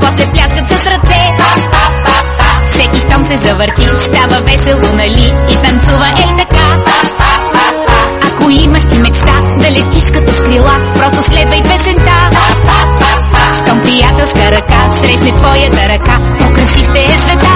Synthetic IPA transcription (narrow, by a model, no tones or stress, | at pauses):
pɔslɛplʲaskət̪sɐsɾɐt̪sɛ | fsɛkiʃt̪ɔmsɛzɐvəɾt̪ist̪avəvɛsɛlˠʊnɐliːt̪ɐmsuvəʔɛjt̪ɐka | ɐkoiməʃt̪imɛt͡ʃt̪ad̪ɐlʲɛt̪iʃkət̪oskɾilˠapɾɔst̪ʊslɛd̪vəj̪bɛsɛnt̪a | ʃt̪ɔmpɾijat̪ɛlˠskəɾɐkasɾɛʃnɛp̪ɔjət̪əɾɐka | okɾɐsiʃt̪ɛɛzvɛd̪a